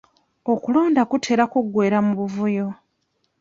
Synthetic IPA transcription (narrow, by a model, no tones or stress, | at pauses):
okulo̞ːndakutʰe̞ɾakuɡwe̞ːɾamuβuvujo̞